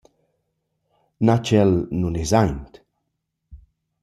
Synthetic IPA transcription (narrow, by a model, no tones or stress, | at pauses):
nat͡ʃɛlnunezajnt̪